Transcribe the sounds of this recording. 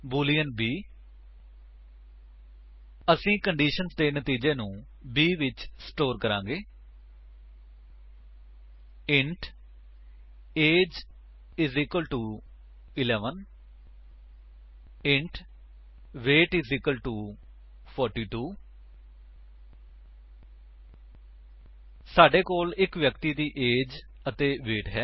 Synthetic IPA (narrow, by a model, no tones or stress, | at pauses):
buːlijənbiː | əsĩːkəɳɖiːʃənzt̪eːnət̪iːd͡ʒeːnũː | biːʋɪt͡ʃsʈoːɾkəɾãːŋɡeː | ɪɳʈʰ | eːd͡ʒ | ɪzɪkəlʈuː | ɪlɛːʋən | ɪ̃ɳʈ | ʋeːʈɪzɪkəlʈuː | pʰɔːɾʈiːʈuː | saːɖeːkoːlɪkʋjəkt̪iːd̪iːʔeːd͡ʒ | ət̪eːʋeːʈɦɛː